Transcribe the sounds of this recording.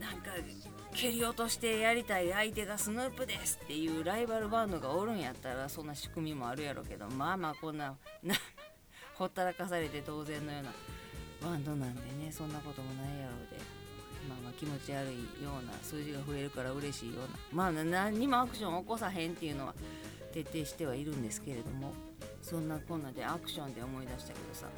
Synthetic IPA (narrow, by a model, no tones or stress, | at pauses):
nãŋka | kʲʰe̞ɾʲio̞t̪o̞ɕi̥t̪e̞jaɾʲit̪aiait̪e̞ɡasɨnɯːpɯd̪e̞sɨ̥t̪ːe̞jɯ̟ːɾaibaɾɯ̟bãnd̪o̞ɡaoɾɯ̟̃ɰ̃jat̪ːaɾasõ̞nːaɕi̥kɯ̟mʲimo̞aɾɯ̟jaɾo̰ke̞d̪o̞̰maːmaːkõ̞nːana | ho̞t̪ːaɾakas̬aɾe̞t̪e̞t̪o̞ːzẽ̞nːo̞jo̞ːna̰βãnd̪o̞nãnd̪e̞ne̞sõ̞nːako̞t̪o̞mo̞naijaɾo̞ːd̪e̞̰ | maːmaːkʲimo̞t͡ɕiaɾɯ̟ḭjo̞ːna̰sɨːʑiɡaɸɯ̟e̞ɾɯ̟kaɾaɯ̟ɾe̞ɕiːjo̞̰ːna̰maːnaɲ̟ːimo̞akɯ̟̥ɕõ̞ɰ̃oko̞saɦẽ̞nt̪e̞jɯ̟no̞βa̰ | t̪e̞t̪ːe̞ːɕi̥t̪e̞βaiɾɯ̟̃nd̪e̞sɨ̥ke̞ɾe̞d̪o̞̰mo̞ | sõ̞nːakõ̞nːaːd̪e̞akɯ̟̥ɕõ̞nd̪e̞o̞mo̞id̪aɕi̥t̪ake̞d̪osa̰